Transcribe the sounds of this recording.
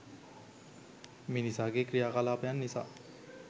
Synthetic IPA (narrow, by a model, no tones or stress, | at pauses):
minisaːɡekɾijaːkalaːpɐjanːisa̰ː